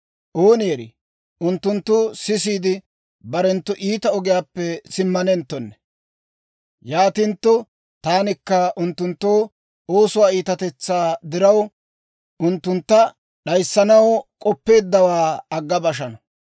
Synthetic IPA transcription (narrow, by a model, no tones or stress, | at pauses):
ʔoːnɪjɛɾɪ̰ | ʔʊnt̪ːʊnt̪ːʊsɪs̬iːd̪ɪ | bɐɾɛnt̪ːɔʔiːt̪ɐɔɡɪjaːpːɛsɪmːɐnɛnt̪ːɔnːɛ̥ | jaːt̪ɪnt̪ːɔ | t̪aːnɪkːɐʔʊnt̪ːʊnt̪ːoː | o̞ːsʊwaːiːt̪ɐt̪ɛt͡sːaːd̪ɪɾɐw | ʔʊnt̪ːʊnt̪ːɐ | ɗɐjsːɐnɐwkʼɔpːe̞ːd̪ːɐwaːɐɡːɐbɐʃ̬ɐnɐ